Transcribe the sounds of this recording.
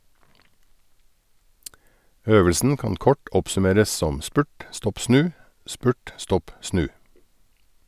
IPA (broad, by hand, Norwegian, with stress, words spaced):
ˈøːʋəlsn̩ ˈkɑːn ˈkɔʈ ˈɔpsʉˌmeːɾəs ˈsɔm ˈspʉʈ ˈstɔp ˈsnʉː ˈspʉːʈ ˈstɔp ˈsnʉː